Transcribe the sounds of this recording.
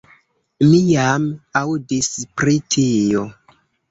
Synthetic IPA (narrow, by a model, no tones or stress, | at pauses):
mijamawdispɾitʰijo